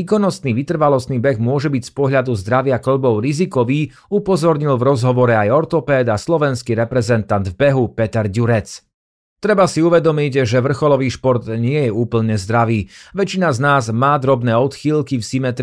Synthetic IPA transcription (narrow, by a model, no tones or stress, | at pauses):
iːkɔnɔst̪niːʋit̪r̩ʋalɔst̪niːbɛɣmʊɔʒɛbicspɔɦʎad̪uzd̪ɾaʋɪakl̩bɔʊɾizikɔʋiː | upɔzɔɾɲilvɾɔzɦɔʋɔɾɛajɔɾt̪ɔpɛːd̪aslɔʋɛnskiɾɛpɾɛzɛnt̪and̪vbɛɦupɛt̪ɛɾɟuɾɛt͡s | t̪ɾɛbasiuʋɛd̪ɔmiɟʒɛʋr̩xɔlɔʋiːʃpɔɾt̪ɲɪɛjɛuːpl̩ɲɛzd̪ɾaʋiːʋɛt͡ʃinaznaːzmaːd̪ɾɔbnɛːɔt̪xiːlkifsimɛt̪ɾ